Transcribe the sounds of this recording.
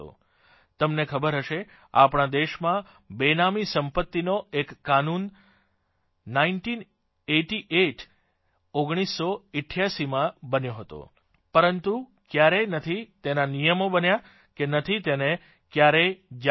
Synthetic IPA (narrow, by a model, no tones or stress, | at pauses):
o̰ | t̪əmnekʰəbəɾɦəʃe | a̰pɳ̃ad̪eʃmã | benamisəmpət̪ːinoekːanun | ainʈin | eʈiʔeʈ | oɡɽ̃isːoɪʈʰːjaʃimãbənjoɦət̪o̰ | pəɾənt̪u | kjaɾenət̪ʰit̪enanijəmobənja | kenət̪ʰit̪ene | kjaɾed͡ʒ